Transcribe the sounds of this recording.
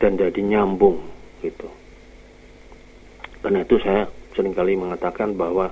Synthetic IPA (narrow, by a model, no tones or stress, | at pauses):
d̥and͡ʒadiɲambʊŋɡ̥it̪u | karnait̪usajasəɾɪŋkaliməŋat̪akanbaɦwa